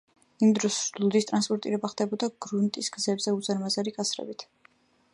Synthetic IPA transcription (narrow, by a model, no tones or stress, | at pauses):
imd̪ɾɔsd̪ulˠd̪ist̪ʼɾanspʼɔɾt̪ʼḭɾɛbaχd̪ɛbɔd̪aɡɾunt̪ʼisɡ̥zɛbzɛuzaɾmazaɾikʼat̪sɾɛ̰bit̪ʰ